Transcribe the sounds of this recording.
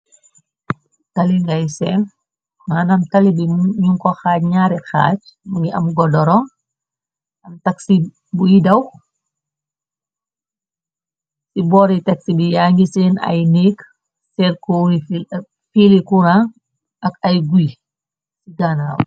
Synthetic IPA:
tɐliŋɡajsɛn | maːnɐmtɐlibiɲuŋkɔxaːcɲaːɾɛxa̰ːt͡ʃmuŋɡiʔɐmɡɔdɔɾɔ | ɐmtɐksi | bujidɐw | sibɔːɾɛtɐksibijaːŋɡisinɐ̰jnik | sɛlkuɾif | filikuɾaŋ | ʔɐkɐjɡuj | siɡanaːw

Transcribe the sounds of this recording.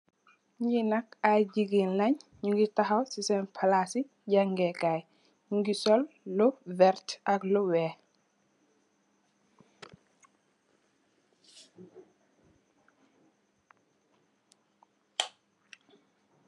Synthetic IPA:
ɲinakaɟiɡinlɐɲɲuŋɡitaxawsisɛnpʰalasi | ɟaŋɡɛkaj | ɲuŋɡisɔlːɔvɛɾtaklɔwɛː

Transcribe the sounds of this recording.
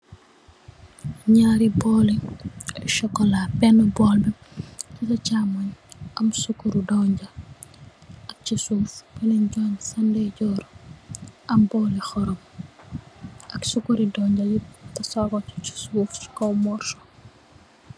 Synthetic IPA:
ɲaɾibɔːli | ʃɔkːɔlapɛnːəbɔlbititɐt͡ʃaːmɐɲʔɐmsukːuɾudɔɲɟɐ | ɐk̚cisuːfbɛlɛɲɟɔːnsɐndɛɟɔːɾu | ɐmbɔːlixɔɾɔm | ʔɐksukuɾidɔːɲɟɐjitɐsɔɡɔcu̥t͡ʃi̥suːfi̥kɔwmɔrtɔ̥

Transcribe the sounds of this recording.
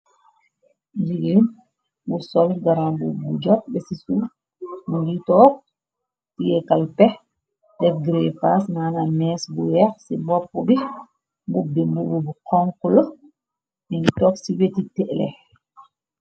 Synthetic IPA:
liɡen | busɔlɡaɾambṵbud͡ʒɔp̚bɛsisu | muɡitɔk̚ | tijɛkalpɛ | dɛfɡɾɛfasnanamɛsbuwɛɾsimbɔpːɔbi | mbubːimbububukɔŋkulɔ | ʔintɔksiwetitɛʔlɛ̰

